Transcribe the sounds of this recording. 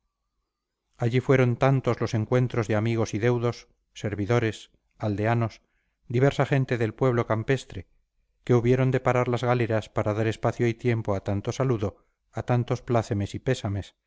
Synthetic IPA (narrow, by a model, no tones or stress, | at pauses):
aʎifwe̞ɾo̞nt̪ant̪o̞zlo̞se̞ŋkwe̞nt̪ɾo̞zðeamiɣ̞o̞siðe̞wðo̞sː | e̞ɾβiðo̞ɾe̞s | ald̪e̞ano̞s | d̪iβ̞e̞ɾsaχe̞nt̪e̞ðe̞lpwe̞β̞lo̞kampe̞st̪ɾe̞ | ke̞uβje̞ɾo̞nd̪e̞paɾaɾlazɣaleɾaspaɾaðaɾe̞spaθjo̞it̪je̞mpo̞at̪ant̪o̞saluðo̞ | at̪ant̪o̞splaθeme̞sipe̞same̞s